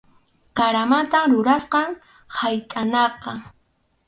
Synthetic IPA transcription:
kaɾamat̪amɾʊɾasqɑŋ | hajt̪ʼanɑqɑ

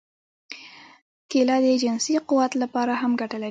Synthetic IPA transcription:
kelɑd̪əed͡ʒɪnsiqʊwat̪lapɑɾaɦamɡaʈəla

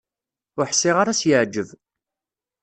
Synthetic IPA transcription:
ʊɾħsːɪʁaɾasjəʕd͡ʒːəv

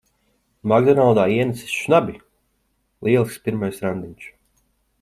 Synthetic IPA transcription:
maɡd̪ɔnalˠd̪aːiɛnɛsi̥sʃnabʲi | lˠiɛlˠspʲiɾmajsɾand̪iɲʲt͡ʃ

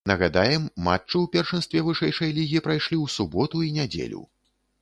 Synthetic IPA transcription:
nɐɣad̪ajɛmːa̰t͡ʂːɨwpʲɛrʂɛnst̪vʲɛvɨʂɛjʂɐjlʲiɣʲipɾajʂlʲiwsubɔt̪uinʲad͡zʲḛlʲṵ

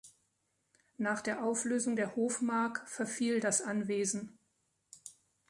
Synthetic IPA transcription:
naːχd̥eːɐʔaʊfløːzʊŋdeːɐhoːfmaɐkfɛɐfiːldasʔanveːzn̩

